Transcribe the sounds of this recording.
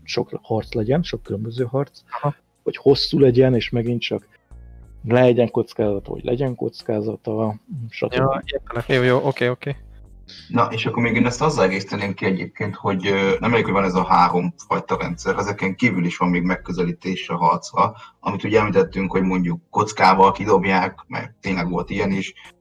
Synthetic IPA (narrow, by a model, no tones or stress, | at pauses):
ʃo̞khɒrt̪slɛɟɛnʃokːylømbøzøːɦɒrt̪s | ho̞cho̞sːuːlɛɟɛneːʃmɛɡint͡ʃɒk | lɛɛɟɛŋko̞t̪skaːzɒt̪ɒ̰o̰ɟlʔɛ̰ɟɛŋko̞̰t̪skaːzɒt̪ɒʃɒ̰t̪øbiert̪ɛɛojoːʔokeːokeː | nɒʔeːʃɒkːormeːɡeːnɛst̪ɒzːɒlɛɡeːsi̥t̪ɛneːŋkiɛɟḛːp̚keːnt̪ho̞ɟnɛmɛleːkhovɒnɛzɒɦaːɾo̞mfɒjt̪ɒɾɛ̰nt̪sɛɾɛzɛkɛŋkiːvyliʃʋɒmːeːɡmɛkːøzɛliːt̪eːʃɛɦɒrt̪srɒɒmit̪uːɟɛmlit̪ɛt̪ːyŋkho̞ɟmo̞ɲɟukːo̞t̪skaːvɒlkid̪o̞bjaːkmɛ̰ɾt̪eːɲlɛɡʋo̞̰lt̪ijɛniʃ